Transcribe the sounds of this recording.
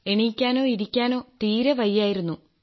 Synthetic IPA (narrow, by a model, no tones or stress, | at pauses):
e̞ɳikʲːaːno̞ːiɾikʲːaːno̞ːt̪iːɾeʋɐjːaːjiɾunːu